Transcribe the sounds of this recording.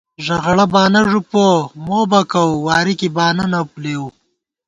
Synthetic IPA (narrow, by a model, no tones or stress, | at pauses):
ʒɐɣɽɐbɑːnɐʐupomoːbɐkɐwwɑːɾikibɑːnɐnɐpleu